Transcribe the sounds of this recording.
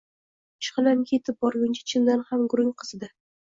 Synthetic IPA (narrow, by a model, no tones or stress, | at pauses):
t͡ʃʰχɨlankʲʰe̞t̪ʰɪp̚bɒɾɡʲʊnt͡ʃʰḁt͡ʃʰɪnd̪anhamɡʊɾɪŋqʰɨz̥ɨd̪a